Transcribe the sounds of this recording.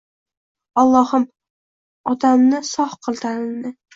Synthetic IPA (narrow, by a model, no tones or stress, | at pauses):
ɒlˠːɒhɨm | ɒt̪ʰamnɪsɒhqʰɨlˠt̪ʰanɪmnɪ